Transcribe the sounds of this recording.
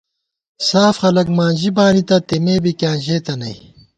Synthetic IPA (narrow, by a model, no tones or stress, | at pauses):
saːfxɐlɐkmaːnʑibaːnit̪ɐt̪emeːbikʲjãːnʑeːt̪ɐnɐj